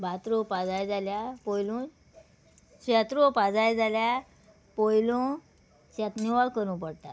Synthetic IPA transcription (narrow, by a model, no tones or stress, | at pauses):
bʱat̪ɾopad͡zajd͡zaljapojlũː | ɕat̪ɾopad͡zajd͡zalja | pojlõ | t͡ɕat̪niʋaɭkəɾũpəɽt̪a